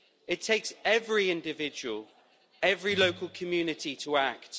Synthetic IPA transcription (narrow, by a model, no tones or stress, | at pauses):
ɪtʰeɪksɛvɹiɪ̃ndɪvɪd͡ʒəwəlˠ | ɛvɹiləʊkʰəlˠkʰəmjʉːnɪtitʰəak̚t